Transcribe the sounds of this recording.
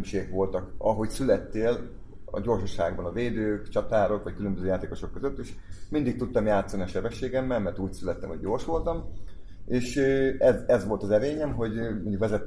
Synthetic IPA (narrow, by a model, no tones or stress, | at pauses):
mʃeːkʋo̞lt̪ɒkɒɦo̞csylɛt̪ːeːl | ɒ̰ɟo̞rʃoʃa̰ːɡbɒnɒveːd̪øːkt͡ʃɒt̪aːɾo̞kʋɒckylø̞mbøzøːjaːt̪eːko̞ʃo̞kːøzøt̪ːeːʃmind̪ik̚t̪ut̪ːɒmjaːt̪sːɒniɒʃɛbɛʃːeːɡɛmːɛlmɛrt̪uːcsylɛt̪ːɛmho̞ɟ̚ɟoːrʃʋo̞lt̪ɒm | eːʃøɛzɛzʋo̞lt̪ɒzɛɾeːɲɛmɦo̞ɟmoɲɟukʋɛzɛt̪ː